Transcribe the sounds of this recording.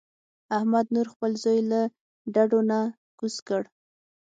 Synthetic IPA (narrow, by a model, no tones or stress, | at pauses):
ahmad̪nuɾxpəlzojla | ɖaɖona | ɡ̥uskəɽ